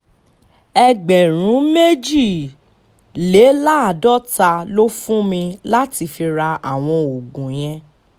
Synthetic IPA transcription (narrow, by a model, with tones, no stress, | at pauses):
ɛ˧ɡ͡bɛ˨ɾ̃ũ˨˦me˦d͡ʒi˦˨ | le˨˦la˦a˦˨dɔ˦ta˧lo˦fũ˦mĩ˧la˦ti˧fi˧ɾa˧a˨w̃ɔ̃˧o˨ɡũ˨j̃ɛ̃˧